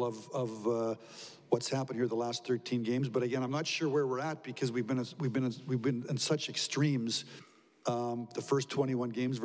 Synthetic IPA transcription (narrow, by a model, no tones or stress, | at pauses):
lˠʌvʌv | wʌtshæpə̃nhiɹðəlæst̪̚θɜ˞tʰĩnɡẽɪ̃mzbʌɾɨɡɛ̃nãɪ̃mnətʃʊɹwə˞wɪɹət̚b̥ɨkʰʌzwivbɨ̃nɨwivbɨ̃nɨ̃nwivbɨ̃nɨ̃nsʌt͡ʃɨkstɹ̥ĩmz̥ | ðəfɜ˞stʰw̥ɛ̃ɾ̃iwʌ̃nɡẽɪ̃mzv